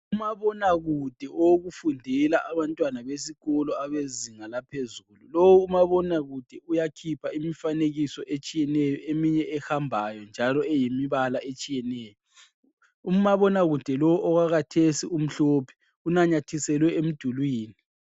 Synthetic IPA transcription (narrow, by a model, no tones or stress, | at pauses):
umaβɔnaɣud̥ʱɛʔɔwoɣufundʱɛlaʔaβantʼwanaβesiɣɔlɔaβeziŋalapʰezululowuːmaβɔnaɣud̥ʱɛujakʰipʰaimifaneɣisɔʔet͡ʃʼijɛnɛjɔemiɲɛʔɛhambʱajɔnd͡ʒʱalɔɛjimiβalaʔet͡ʃʼijɛnɛːjɔ | umaβɔnaɣud̥ʱɛlɔwuʔɔɣaɣatʰesḭum̩ɬɔpʰɛ̥ | unaɲatʰisɛlwɛem̩d̥ʱulwiːni